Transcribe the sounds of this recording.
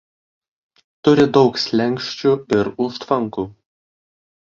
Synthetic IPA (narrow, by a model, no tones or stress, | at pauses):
t̪ʊɾʲɪd̪ɒʊksʲlʲɛŋʲkʃʲt͡ʃʲuːɪɾʊʃt̪ʋɐŋkuː